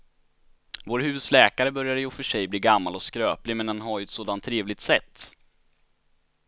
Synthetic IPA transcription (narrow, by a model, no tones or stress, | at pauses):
voːɾhʉ̟ːslɛːkaɾəbœɾjad̪əjʊfœʂɛjbliːɡamːalɔskɾøːplɪmɛnd̪ɛnɦaɾjɛt̪soːd̪ant̪ʰːɾeːvlɪɡt̪sɛt̪ː